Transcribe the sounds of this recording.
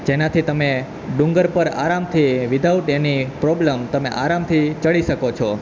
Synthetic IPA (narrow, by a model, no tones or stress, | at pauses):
d͡ʒenat̪ʰit̪əme | ɖũŋɡəɾpəɾa̰ɾamt̪ʰiʋid̪ʱaʋuʈenipɾobləmt̪əmeʔaɾamt̪ʰit͡ʃəɭiʃəkot͡ʃʰɔ